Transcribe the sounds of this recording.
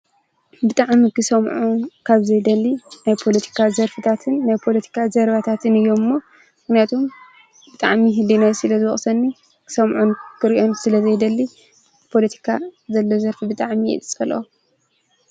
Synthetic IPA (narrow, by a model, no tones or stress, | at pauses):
bɨt̪ʼaʕmikʰɨsɐmʕunkʰaβzɐjd̪ɐlːinajpʰo̞lɐt̪ʰi̥kʰazɐɾfɨt̪ʰat̪ʰɨnːajpʰo̞lɐt̪ʰi̥kʰazɐɾβat̪ʰat̪ʰɨnɨjːo̞mɨmːo | mɨknjat̪ʰom | bɨt̪ʼa̰ʕmiɦɨlːinajsɨlɐzɨwɔχʼsɐnːi | kʰɨ̥sɐmʕunkʰɨɾiʔo̞nsɨlɐzɐjd̪ɐlːi | pʰo̞lɐt̪ʰi̥kʰazɐlːo̞zɐɾfibɨt̪ʼaʕmijɛ̰t̪ʼsʼɐlɐ̰o